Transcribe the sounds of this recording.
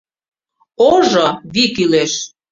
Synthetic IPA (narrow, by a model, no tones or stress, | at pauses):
oʒoβikyleʃ